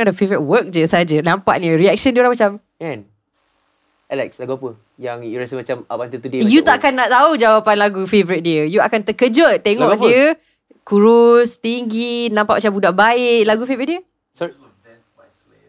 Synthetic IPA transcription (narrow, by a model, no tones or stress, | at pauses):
dəfevɾit̚wək̚d͡ʒəsəɦad͡ʒənampa̰ʔniəɾiɛk̚ʃəndiəoɾaŋmat͡ʃam | ɛ̃n | ɛlɛkslaɡuapə | jaŋjuɾɛsimat͡ʃamap̚ãnt̪ilt̪udejuaʔakanːaʔt̪aud͡ʒawapanlaɡufevɾit̪̚diəjuakant̪əkəd͡ʒət̪eŋɔkdiə | kuɾʊst̪iŋɡinãmpaʔmat͡ʃambudaʔbaɪʔlaɡufevɾit̪̚diə | sɔi